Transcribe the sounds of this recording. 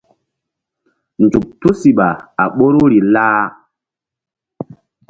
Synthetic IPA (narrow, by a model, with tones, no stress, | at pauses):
nd͡zu˨k̚tu˦si˨ɓa˨a˨ɓo˦ɾu˦ɾi˨la˦